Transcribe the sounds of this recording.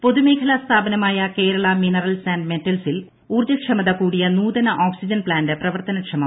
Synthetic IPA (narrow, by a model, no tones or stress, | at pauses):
po̞ðumeːkʰɐlɐst̪ʰaːbɐnɐmaːjɐke̞ːɾɐɭɐminɐrɐlsaːnɖmetːɐlsil | uːrd͡ʑɐkʂɐmɐðɐkuːɽijɐnuːðɐnɐʔoːksid͡ʑɐnplaːndɨprɐʋɐrt̪ɐnɐkʂʰɐmɐ